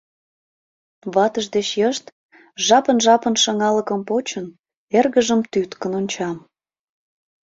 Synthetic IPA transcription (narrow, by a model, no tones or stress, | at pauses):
βɑt̪əʒd̪et͡ɕjəʃt̪ | ʒɑpənʒɑpənʃɑŋɑləkəmpot͡ɕən | erɣəʒəmt̪yt̪kənonʲt͡ɕɑm